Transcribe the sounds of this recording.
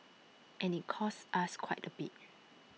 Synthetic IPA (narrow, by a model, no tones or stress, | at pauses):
ʔɛ̃nit̚kʰɔsʔaskʰwaɪtəbit̚